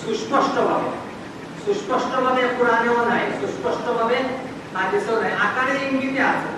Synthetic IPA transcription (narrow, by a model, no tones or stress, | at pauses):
suspɔsʈɔbʱabḛ | suspɔsʈɔbʱabekuɽaneɔdʱajsuspɔsʈɔbʱabe | mad̪esɔnajʔakaɽeiŋɡit̪easʰɔ